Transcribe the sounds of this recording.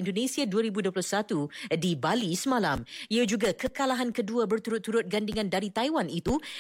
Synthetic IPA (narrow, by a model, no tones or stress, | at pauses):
indonẽsiaduaɾibuduəplahsat̪udibalisəmãlamiad͡ʒuɡakəkalaɦankəduabərt̪uɾʊt̪ːuɾʊt̪̚ɡandiŋãndaɾit̪ajwanit̪u